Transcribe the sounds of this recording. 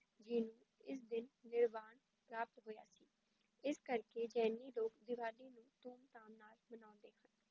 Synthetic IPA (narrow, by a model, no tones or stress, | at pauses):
d͡ʒɪnũː | ɪsd̪ɪnːɪɾʋaːɳ | pɾaːpət̪ɦoːja̰ːsiː | ɪskəɾkeːd͡ʒɛːnːiːloːkd̪ɪʋaːliːnũːt̪uːmt̪aːmnaːlmənãːnd̪eːhən